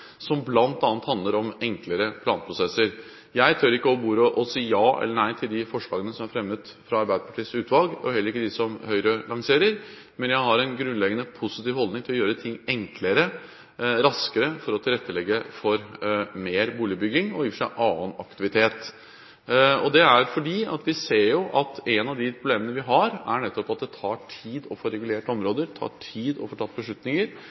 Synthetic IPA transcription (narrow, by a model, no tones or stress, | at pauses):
sɔmblɑnt̪ɑːnt̪hɑnd̪ləɾɔmɛŋkləɾəpʰlɑːnpʰɾʊsɛsːəɾ | jæɪt̪ʰœɾɪkːəɔbuːɾəʔɔsiːjɑːʔɛ̰lːəɳæɪt̪ʰɪld̪ɪfɔʂlɑːɡənəsɔmæɾfɾɛmːət̪fɾɑɑɾbæɪd̪əpʰɑʈʰiːsʉːt̪ʰʋɑlɡɔ̰hɛlːəɾɪkːəd̪ɪsɔmhœʏɾəlɑŋseːɾəɾ | mɛnjæɪhɑɾɛnɡɾʉnlɛɡənəpʰʊsɪt̪iːʋhɔld̪nɪŋt̪ʰɪlɔjøːɾət̪ʰɪŋːɛŋkʰləɾə | ɾɑskəɾəfɔɾɔt̪ʰɪlɾɛt̪ːəlɛɡːəfɔɾmeːɾbuːlɪbʏɡɪŋɔjɪːfʂæɪʔɑːənɑkt̪ɪʋɪt̪ʰeːt̪ | ɔd̪ɛæɾfɔɖiːɑ̰t̪ʋɪseːɾjʊʔɑt̪ɛnɑʋd̪ɪpʰɾʊbleːmənəʋɪɦɑɾæ̰ɳɛt̪ːɔpɑt̪̚d̪ɛt̪ʰɑːʈʰiːd̪ɔfoːɾɛɡʉleːʈɔmɾoːd̪əɾt̪ʰɑ̰ːʈʰiːd̪ɔ̰foːʈʰɑt̪ːbəʂɭʉt̪nɪŋəɾ